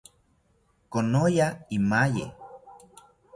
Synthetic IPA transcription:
konojaimajḛ

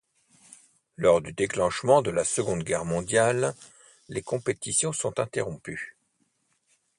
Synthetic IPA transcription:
lɔʁd̪yd̪eklɑ̃ʃmɑ̃d̪əlasəɡɔ̃d̪ɡʲɛʁmɔ̃d̪jalː | ekɔ̃pet̪isjɔ̃sɔ̃t̪ɛ̃t̪eʁɔ̃py

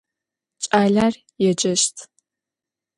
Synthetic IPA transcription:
t͡ʃʼaːɮaːr | jɛd͡ʒɐʃtʰ

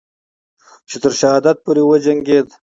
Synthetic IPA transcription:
t͡ʃet̪əɾʃaɦɑːd̪at̪̚poɾewəd͡ʒaŋɡed̪

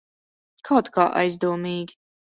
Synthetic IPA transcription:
kʰawt̪ka̰ːʔa̰jzd̪uɔmiːɡʲi

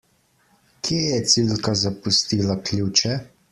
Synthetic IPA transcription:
kʰjejɛt̪silkazapust̪iːlaklʲut͡ʃɛ

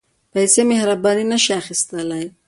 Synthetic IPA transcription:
pajsemehɾabɑninəʃiaxist̪əlaj

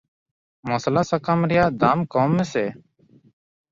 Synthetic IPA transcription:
moːslaːsakaːmɾɪjaːd̪ʱaːmkɔːmeːseː

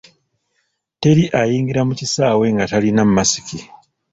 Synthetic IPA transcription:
te̞ɾiʔajiːŋɡiɾamucisaːwe̞ŋɡatalinammasi̥ki

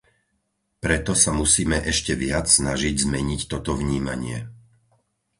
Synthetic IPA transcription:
pɾɛt̪ɔsamusiːmɛʔɛʃcɛʋɪat͡ssnaʒiɟzmɛɲict̪ɔt̪ɔvɲiːma̰ɲɪɛ

